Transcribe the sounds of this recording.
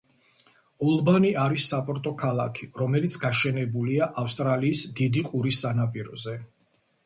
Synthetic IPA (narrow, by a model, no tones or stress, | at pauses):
ɔlˠbaniaɾisːapʼɔɾt̪ʼɔkʰalˠakʰiɾɔmɛlit̪sʰɡaʃɛnɛbuliaʔafst̪ʼɾaliːsd̪id̪iqʼuɾisːanapʼiɾɔ̰zɛ